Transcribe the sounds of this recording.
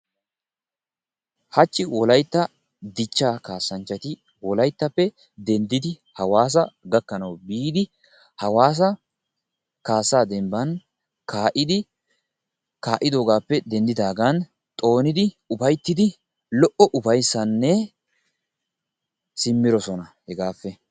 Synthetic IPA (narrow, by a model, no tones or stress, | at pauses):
hɐt͡ʃːɪwɔlɐjt̪ːɐ | d̪ɪt͡ʃːaːkaːsːɐnt͡ʃːɐt̪ɪ | wɔlɐjt̪ːɐpːɛ | d̪ɛnd̪ɪd̪ɪ | hɐwaːs̬ɐɡɐkːɐnɐwbiːd̪ɪ | hɐwaːs̬ɐ | kaːsːaːd̪ɛmbɐn | kaːʔɪd̪ɪ | kaːʔɪd̪o̞ːɡaːpːɛd̪ɛnd̪ɪd̪aːɡɐn | t̪ʼo̞ːnɪd̪ɪ | ʊbɐjt̪ːɪd̪ɪ | lɔʔɔʔʊbɐjsːɐnːɛ | sɪmːɪɾɔsɔnɐhɛɡaːfːɛ